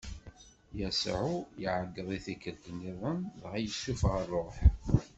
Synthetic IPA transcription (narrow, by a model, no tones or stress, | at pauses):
jæsʕujiʕəɡːəðˤiθikːəɾd̪əniðˤənðʁæjəʃːufʁərˤːoħ